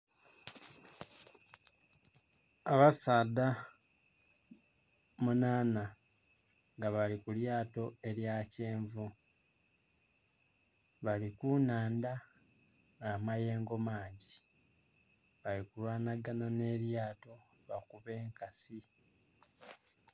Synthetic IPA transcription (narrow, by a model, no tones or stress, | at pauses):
aβasaːda | munaːna | ŋɡaβalikuljaːto̞e̞ɾjace̞ːɱvu | βalikunaːnda | namaje̞ːŋɡo̞maːɲɟi | βalikulwaːnaɡanane̞ːɾjaːto̞ | βakuβe̞ːŋkasi